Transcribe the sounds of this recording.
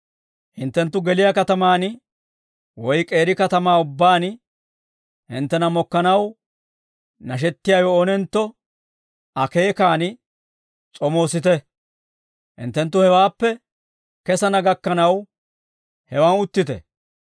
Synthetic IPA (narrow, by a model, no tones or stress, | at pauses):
hɪnt̪ːɛnt̪ːʊɡɛlɪjakɐt̪ɐmaːn | wɔjkʼe̞ːɾɪkɐt̪ɐmaːʊbːaːn | hɪ̰nt̪ːɛnɐmɔkːɐnɐw | nɐʃ̬ɛt̪ːɪjajɔːnɛnt̪ːɔ | ɐke̞ːkaːnɪ | t͡sʼɔmo̞ːsɪt̪ɛ | hɪ̰nt̪ːɛnt̪ːʊhɛwaːpːɛ | kɛsɐnɐɡɐkːɐnɐw | hɛwaːnʊt̪ːɪt̪ɛ̰